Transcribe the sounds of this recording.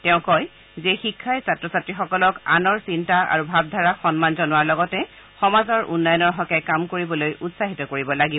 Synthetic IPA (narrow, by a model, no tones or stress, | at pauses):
tɛʊ̃kɔj | zexikʰːajsatɹɔsatɹixɔkɔlɔkanɔɹsintaa̰ɹubʱab̚dʱaɹaxɔnmanzɔnʊaɹlɔɡɔtɛ | xɔmazɔɹʔṵnːajɔnɔɹɦɔkɛkamkoɹibɔlojutsaɦitɔkoɹibɔlaɡi